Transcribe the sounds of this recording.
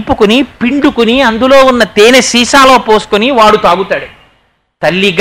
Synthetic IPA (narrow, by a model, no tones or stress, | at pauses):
pːukunipiɳɖukuniɐnd̪ulo̞ːunːɐt̪eːnesiːʃaːlo̞ːpoːsu̥kuniʋaːɽut̪aːɡut̪aːɽe | t̪ɐlːiɡ